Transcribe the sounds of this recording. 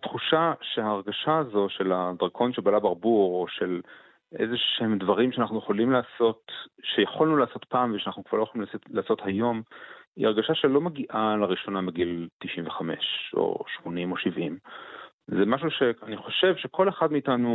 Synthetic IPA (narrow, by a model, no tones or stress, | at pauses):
t̪χuʃaʃehaːʁɡaʃaːzo̞ʃe̞lad̪ʁkʰo̞nʃebalabaʁbuʁoʃe̞l | ʔḛzeʃemdvaʁimʃeanaχnujeχolimlaːso̞t̪ʃejaχolnulaːsot̪paːmveʃeanaχnukv̥a̰ʁloeolimlalaːso̞t̪hajo̞mḭaʁɡaʃaʃe̞lo̞meɡiʔalaʁiʃo̞namiɡilt̪iʃiɱveχame̞̰ʃo̰ʃmo̞nimo̞ʃivim | zemaʃuʃe̞aniχo̞ʃe̞vʃe̞kʰo̞leχadmiitanu